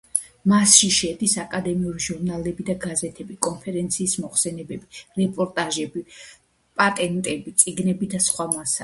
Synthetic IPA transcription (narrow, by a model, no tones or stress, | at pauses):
masʃiʃɛd̪isakʼad̪ɛmiuɾiʒuɾnalɛbid̪aɡazɛt̪ʰɛbikʼɔnpʰɛɾɛnt̪sʰiːsmɔχsɛnɛbɛbiɾɛpʼɔɾt̪ʼaʒɛbi | pʼat̪ʼɛnt̪ʼɛbit̪sʼiɡnɛbid̪asχwamasa